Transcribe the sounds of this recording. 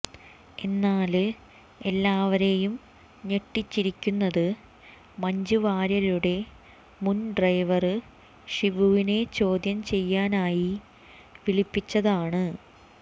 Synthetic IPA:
e̞nːaːl | e̞lːaːʋɐɾe̞jum | ɲe̞ʈːit͡ɕːiɾikʲːunːɐðɨ | mɐɲd͡ʑuʋaːɾjɐluɽe̞ | munɖrɐjʋɐrɨ | ʂiʋuʋine̞t͡ɕo̞ːd̪jɐmt͡ɕe̞jːaːnaːji | ʋiɭipːit͡ɕːɐðaːɳɨ

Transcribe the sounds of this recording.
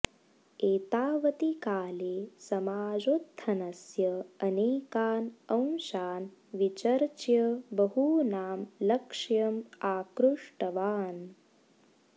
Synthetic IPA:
eːt̪aːʋɐt̪ikaːleːsɐmaːd͡ʒot̪ʰːɐnɐsjɐɐneːkaːnɐw̃nʃaːnʋit͡ʃɐɾt͡ʃjɐbɐɦunaːmlɐkʂjɐmaːkɾuʂʈɐʋaːn

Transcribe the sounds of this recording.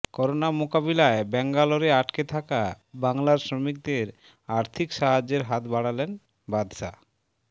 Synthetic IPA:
kɔɾonamokaβilaebɛŋɡaloɾeaʈket̪ʰaka | baŋlaɾsɾomik̚d̪eɾ | aɾt̪ʰikʃaɦad͡ʑeɾɦat̪baɽalen | bad̪ʃa̰

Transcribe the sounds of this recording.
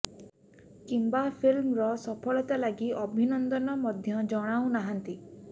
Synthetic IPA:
kimbapʰilmɾɔsɔpʰɔɭɔt̪alaɡiʔɔbʱinɔnd̪ɔnɔmɔd̪ʱjɔd͡ʒɔɽ̃aw̃naɦant̪i

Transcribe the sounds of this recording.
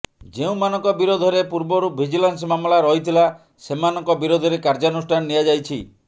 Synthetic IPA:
d͡ʒeũmanɔŋkɔbiɾod̪ʱɔɾepuɾbɔɾup̚bʱid͡ʒilans̬mamlaɾɔɦit̪ʰila | semanɔŋkɔbiɾod̪ʱɔɾekaɾd͡ʒanusʈʰanɔːijad͡ʒajt͡ʃʰi

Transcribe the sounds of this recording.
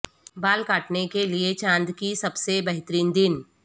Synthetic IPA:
baːlkaːʈnekeliet͡ʃãːnd̪kisɐbsebɐɦt̪ɾiːnd̪ɪn

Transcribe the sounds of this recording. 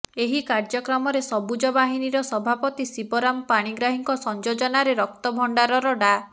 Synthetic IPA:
eɦikaɾd͡ʒɔkɾɔmɔɾesɔbud͡ʒɔbaɦiniɾɔsɔbʱapɔt̪isibɔɾampaɽ̃iɡɾaɦiŋkɔsɔnd͡ʒod͡ʒɔnaɾeɾɔk̚t̪ɔbʱɔɳɖaɾɔɾɔɖa

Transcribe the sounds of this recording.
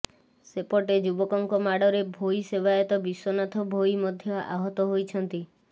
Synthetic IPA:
sepɔʈed͡ʒubɔkɔŋkɔmaɽɔɾebʱojsebaɔt̪ɔbiswɔnat̪ʰɔbʱojmɔd̪ʱjɔʔa̰ɦɔt̪ɔɦojt͡ʃʰɔnt̪i

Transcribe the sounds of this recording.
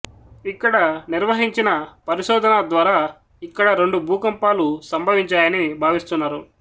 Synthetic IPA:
ikːɐɽɐniɾʋɐɦiɲt͡ʃinɐpɐɾiʃɔːd̪ʱɐnad̪ʋaːɾaː | ikːɐɽɐɾe̞ɳɖubʱuːkɐmpaːlusɐmbʱɐʋiɲt͡ʃaːjɐnibʱaːʋist̪unːaːɾu

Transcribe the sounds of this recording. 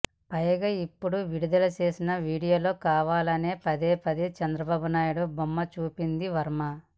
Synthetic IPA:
pɐjɐɡɐipːuɽuʋiɽud̪ɐlɐt͡ʃe̞ːsinɐʋiːɽijo̞ːlo̞ːkaːʋaːlɐne̞ːpɐd̪e̞ːpɐd̪et͡ʃɐnd̪ɾɐbaːbunaːjuɽubomːɐt͡ʃuːpind̪iʋɐɾmɐ

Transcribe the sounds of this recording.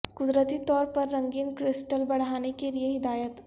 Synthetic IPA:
kʊd̪ɾət̪it̪ɔːɾpɐɾːɐ̃ŋɡiːnkɾɪsʈəlbɐɽ̤ɦaːnekelieɦɪd̪aːjət̪

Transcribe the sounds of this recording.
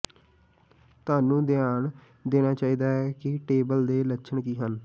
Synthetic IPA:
t̪ʊaːnũːd̪ɪaːɳ | d̪eːnaːt͡ʃaːiːd̪aːɛːkɪʈeːbəld̪eːlətːʃʰəɳkiːɦən

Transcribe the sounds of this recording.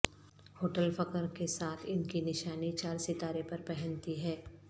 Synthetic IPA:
hoːʈəlfɐkəɾkesaːt̪ʰɪnkinɪʃaːnit͡ʃaːɾsɪt̪aːɾepɐɾpɛɦɛ̃nt̪iɦɛː

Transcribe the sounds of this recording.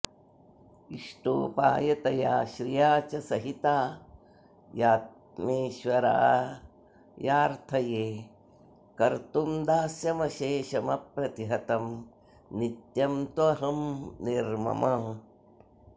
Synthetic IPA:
iʂʈoːpa̰ːjɐt̪ɐjaːʃɾijaːt͡ʃɐsɐɦit̪aː | jaːt̪̚ | meːʃʋɐɾa̰ː | jaːɾt̪ʰɐjeː | kɐɾt̪umd̪aːsjɐmɐʃeːʃɐmɐpɾɐt̪iɦɐt̪ɐm | nit̪jɐmt̪ʋɐɦɐmniɾmɐ̰mɐ

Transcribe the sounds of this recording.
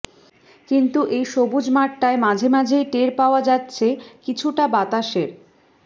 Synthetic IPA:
kint̪uʔejʃobud͡ʑmaʈːaemad͡ʑʱemad͡ʑʱejʈeɾpaoad͡ʑatːɕʰekit͡ɕʰuʈabat̪aʃeɾ

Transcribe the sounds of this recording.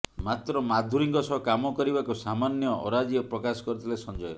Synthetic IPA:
mat̪ɾɔmad̪ʱuɾiŋɡɔsɔɦkamɔkɔɾibakusamanjɔʔɔ̰ɾad͡ʒjɔpɾɔkasɔ̥kɔɾut̪ʰilesɔnd͡ʒɔjɔ

